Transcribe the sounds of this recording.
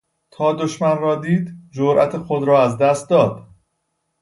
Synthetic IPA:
t̪ʰɒːd̪oʃmænrɒːd̪iːd̪d͡ʒoɾʔæ̰t̪ʰexod̪ɾɒːæzd̪æst̪̚d̪ɒːd̪̥

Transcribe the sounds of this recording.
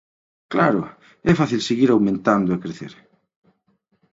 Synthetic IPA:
klaɾʊ | ɛfaθilseɣiɾawmẽnt̪and̪oekɾeθḛɾ

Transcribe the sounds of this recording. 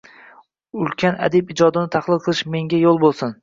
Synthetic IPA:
ʊlkʲʰana̰d̪ɪpɪd͡ʒɒd̪ɪnɪt̪ʰaχlˠɨlˠqʰɨlˠɪʃme̞ŋɡʲajolˠbolˠsɪn

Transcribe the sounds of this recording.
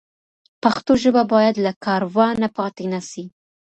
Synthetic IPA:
paxt̪oʒəbabɑjad̪lakɑɾwɑnapɑt̪enasi

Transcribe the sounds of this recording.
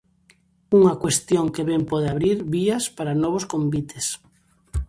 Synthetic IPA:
uŋɐkwest̪joŋkeβɛmpɔð̞eaβɾiɾβiɐspaɾanɔβoskombit̪ʰes

